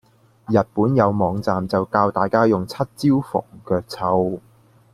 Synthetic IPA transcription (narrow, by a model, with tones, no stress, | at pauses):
jɐ˨t̚puː˨˥njɐ˨˧wmɔː˨˧ŋt͡saː˨mt͡sɐ˨wkaː˧wt̪aː˨jkaː˥jʊ˨ŋt͡sʰɐ˥t̚t͡siː˥wfɔ̰ː˨˩ŋkœː˧k̚t͡sʰɐ˧w